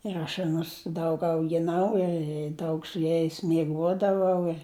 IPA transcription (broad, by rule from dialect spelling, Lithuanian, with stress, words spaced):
ɪr ɐʃ ɐˈnʊs ˈdɐʊk ɐʊɡʲɪˈnɐʊ ɪ ˈdɐʊk sʊ ˈjɛɪs mʲiɛˈɡuɔdɐʋɐʊ ɪr